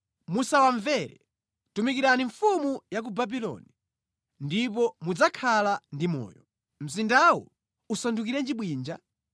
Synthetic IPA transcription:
musawaɱvɛɾɛ | tumikiɾaniɱfumujak̬ubabilɔ̰ni | ndipɔmud͡zakʰalandimɔ̰ːjɔ | m̩zindawɔ̰ | usanduk̬iɾɛnd͡ʒiɓwiːnd͡ʒa

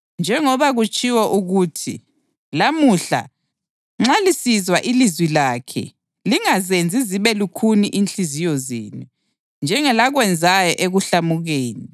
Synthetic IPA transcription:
nd͡ʒʱɛŋɔβaɣut͡ʃʼiwɔʔuɣuːtʰḭ | lamuɬa̰ | ŋ͡ǁalisizwaʔilizwilaːkʰɛ̰ | liŋazend͡zʱiziβɛlukʰuniʔint͡ɬizijɔzḭːnu | nd͡ʒʱɛŋɛlaɣwɛnd͡zʱajɔʔeɣuɬamuɣeːni

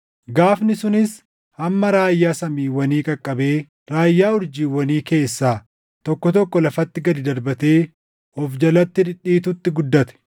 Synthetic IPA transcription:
ɡaːfnɪsʊnɪs | ɐmːɐɾaːjːaːsɐmiːwɐniːkʼɐkʼːɐbe̞ː | ɾaːjːaːʊɾd͡ʒiːwɐniːke̞ːsːaː | t̪ɔkːɔt̪ɔkːɔlɐfɐt̪ːɪɡɐd̪ɪd̪ɐɾbɐt̪e̞ː | ɔfd͡ʒɐlɐt̪ːɪᶑɪᶑːiːt̪ʊt̪ːɪɡʊd̪ːɐt̪ɛ̥

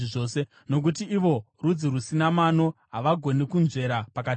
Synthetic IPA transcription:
iʐoːse̞ | no̞k̬ut̬iːʋo̞ | rud͡zirusinamano̞ɦaʋaɡʱo̞nikunze̞ɾapakati

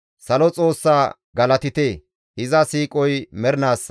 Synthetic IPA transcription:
sɐlɔt͡sʼo̞ːsːaː | ɡɐlɐt̪ɪt̪eː | hɪzɐsiːkʼɔjmɛɾnaːsːɐ

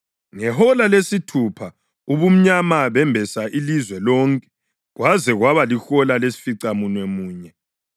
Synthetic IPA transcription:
ŋɛhɔlalesitʰupʰa | uβum̩ɲamaβɛmbʱɛsaʔilizwɛlɔŋkʼɛ̥ | ɣwazɛɣwaβalixɔlalesi̥fiǀamunwemuːɲɛ

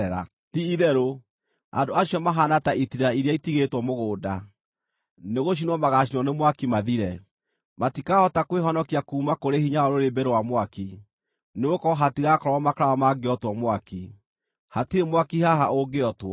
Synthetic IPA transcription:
ɛɾa̰ | tiiðɛɾo | a̰ndoaɕijɔmaɦanataʔitiɾaiɾjaitiɣetwɔmoɣoːda | neɣoʃ̬inwɔmaɣaʃ̬inwɔnemwakimaðiɾɛ | matikahɔtakweɦɔnɔkiakuːmakoɾehiɲaɔɾoɾebɛɾewamwaki | neokɔɦatiɣakɔɾɔwɔmakɾawamaɡeɔtwɔmwaki | hatiemwakihaɦaʔoɡeɔtwɔ

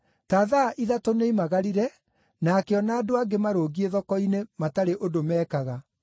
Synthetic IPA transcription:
taːðaʔiðatoneimaɣaɾiɾɛ | nakɛɔnaːdoaɡemaɾoːɣieðɔkɔinemataɾeʔodomɛːkaɣa

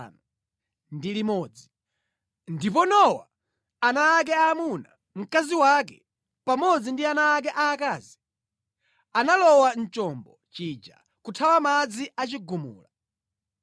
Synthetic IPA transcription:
na | ndilimɔːd͡zi | ndip̬ɔnɔwa̰ː | naːk̬ɛaːmuna | m̩kaziwakɛ | pamɔd͡zindianaːk̬ɛʔaːkaːzi | analɔwan̩t͡ʃɔmbɔt͡ʃid͡ʒa̰ | kutʰawamad͡ziʔat͡ʃiɡumṵːla

